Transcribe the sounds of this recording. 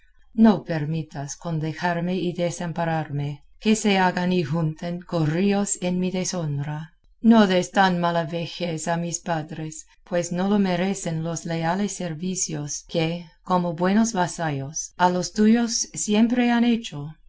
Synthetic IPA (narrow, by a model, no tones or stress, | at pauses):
nopeɾmit̪asko̞nd̪exaɾmeiðesampaɾaɾme | keseaɡanixunt̪enkoriosenmiðesond̪ɾa | noðest̪anmalaβexesamispaðɾes | pwesnolome̞ɾe̞senlo̞sle̞alesːeɾβisjoskekomobwe̞nosβasajosalost̪ujosːje̞mpɾe̞ane̞t͡ʃo